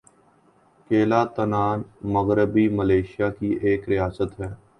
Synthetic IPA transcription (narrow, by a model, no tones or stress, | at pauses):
keːlaːt̪ənaːnməɣɾəbiːməleːʃɪjaːkiʔeːkɾɪjaːsət̪ɦɛː